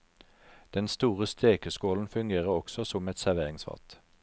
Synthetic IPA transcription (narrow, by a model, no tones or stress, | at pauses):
d̪̥ɛnst̪uːʁəst̪ʰeːkəskoːln̩fʉŋɡeːʁəʁɔksɔsɔmɛt̪sæʁʋeːʁɪŋsʋɑ̰ʁt̪